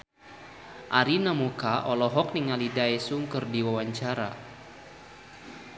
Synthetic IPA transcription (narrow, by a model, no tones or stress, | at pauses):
ʔaɾinamukaʔɔlɔɦɔk̚niŋalidaɛsuŋkərdiwawaɲt͡ʃaɾa̰